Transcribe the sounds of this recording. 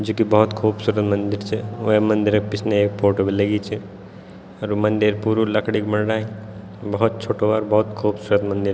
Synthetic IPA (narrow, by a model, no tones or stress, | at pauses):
d͡ʒukibɔɦut̪kʰuːbsuːɾət̪mənd̪iɾt͡ʃʰɛoemɐnd̪iɾpisʰneeːk̚pʰoːʈobiləɡit͡ʃʰi | ɔɾumɐnd̪iɾpuɾulɐkʰɽikməɽɽai | bɐɦut̪̚t͡ʃʰoːʈobaːɾbɐɦut̪kʰuːbsuɾət̪mɐnd̪iɾ